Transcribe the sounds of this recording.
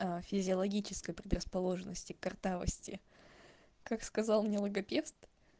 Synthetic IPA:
afʲɪzʲɪɐlˠɐɡʲit͡ɕɪskəjpɾʲɪd̪rəspɐlˠo̞ʐɨnːəsʲtʲɪkɐrt̪avə̰sʲtʲɪ | kakskɐzalˠmnʲe̞lˠəɡɐpʲe̞ft̪

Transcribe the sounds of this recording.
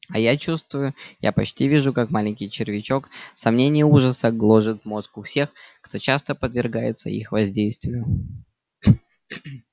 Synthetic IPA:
ɐjat͡ɕust̪vʊjʊja̰pɐt͡ɕtʲivʲiʐʊkakmalʲɪnʲkʲɪjt͡ɕɪrvʲɪt͡ɕo̞ksɐmnʲenʲɪjəuʐəsəɡlˠo̞ʐɨt̪mo̞skʊfsʲe̞xkt̪ʰo̞t͡ɕast̪əpəd̪vʲɪrɡajɪ̰t̪sə̰ḭxvɐzʲdʲejst̪vʲɪjʊ

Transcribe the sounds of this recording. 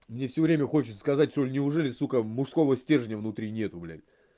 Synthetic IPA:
mnʲefsʲɵvɾʲemʲəxo̞t͡ɕɪ̥t̪səskɐzat̚ʲʂt̪olʲnʲɪʊʐɛlʲɪsukəmʊʂsko̞vəsʲtʲe̞ʐənʲɪəvnʊt̪ɾʲinʲe̞t̪ʊɡlʲæ̰lʲ

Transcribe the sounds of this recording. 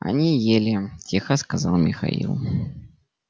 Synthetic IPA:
ɐ̰nʲijelʲɪtʲʰexəskɐzɑlˠmʲɪxɐ̰ḭlˠ

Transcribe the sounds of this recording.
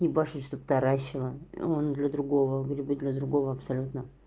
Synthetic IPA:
ibaʂɨʂt̪op̚t̪aɾaɕːɪlˠə̰ond̪lʲɐd̪ɾʊɡo̞vəɡɾʲɪbɨd̪lʲəd̪ɾʊɡo̞vəɐpsɐlʲut̪nə

